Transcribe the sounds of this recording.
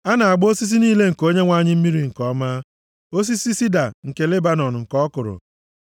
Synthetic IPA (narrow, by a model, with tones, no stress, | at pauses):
a˦na˨a˨ɡ͡bo˦si˦s̬i˦niː˦le˦ŋ̩˨ko˦ɲe˦ŋʷa˦a˨ɲɪ˦m̩˦mi˦ɾi˨ŋ̩˨kɔ˦ma˦ | o˦s̬i˦si˦si˦da˨ŋ̩˨ke˨le˦ba˦nɔ˨n˨ŋ̩˨kɔ˦kʊ˨ɾʊ̰˨